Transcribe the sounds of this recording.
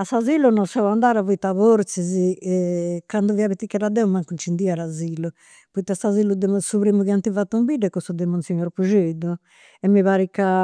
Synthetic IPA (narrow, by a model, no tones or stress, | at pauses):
asazilunɔsawand̪aɾavuit̪ːaβoɾt̪sizi | kand̪uviaβɛt̪ːikːɛɾad̪ɛumaŋkunt͡ʃind̪iaɾazilu | puit̪ːiasazilud̪emsuβɾimuɣiant̪ivat̪ːumbidɛkːost̪ud̪emunsiɲoɾpuʒed̪u | ɛmːiβaɾikːa